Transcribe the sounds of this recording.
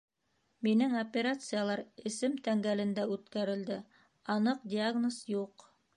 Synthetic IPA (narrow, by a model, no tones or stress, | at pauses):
minɘŋopʲeɾat̪sɨjalˠɑɾɘ̆sɘmt̪æŋɡælɘ̆nd̪æʉt̪kæɾɘ̆ld̪ɘ | ɑnɤqdʲɪaɡnosjuq